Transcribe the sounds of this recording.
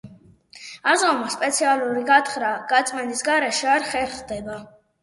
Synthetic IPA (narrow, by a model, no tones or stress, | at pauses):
azɔmaspʼɛt̪sʰialˠuɾiɡat̪χɾaɡ̥at̪sʼmɛnisɡaɾɛʃɛaɾχɛɾχd̪ɛba